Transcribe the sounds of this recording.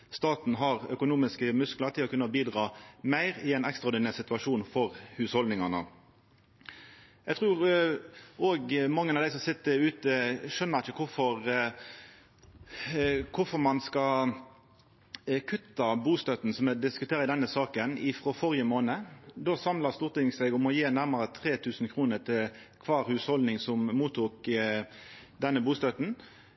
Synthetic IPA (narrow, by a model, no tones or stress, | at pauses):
st̪ɑːt̪n̩ɦɑʁœkʊnuːmɪskəmʉskləʁt̪ʰɪlɔkʰʉnːəbiːd̪ʁɑːmæɪʁɪɛɪnɛkst̪ʁɑɔːɾd̪ɪnæːʁsɪt̪ʉɑʂuːnfɔʁhʉːshɔld̪nɪŋɑnə̰ | jæɡt̪ʰʁʉːʁ | oːɡmɑŋːənɑʋd̪æɪsɔmsɪt̪ːəʉːt̪əʃœnːəʁɪçəkʰʊfɔʁ | kʰʊfɔɾmɑnskɑ | kʰʉt̪ːɑbuːst̪œt̪n̩sɔmɛd̪ɪskʉt̪ʰeːɾəɪd̪ɛnːəsɑːkənɪfʁɔfɔʁjəmoːnəd̪oːsɑmlɑst̪uːʁt̪ɪŋsɛɪɡʊmɔjeːnæʁməɾət̪ʰʁeːt̪ʰʉːsn̩kʰʁuːnət̪ʰɪl | kʰʋɑːɾhʉːshɔld̪nɪŋsɔmmuːt̪ʰuːk | d̪ɛnːəbuːst̪œt̪n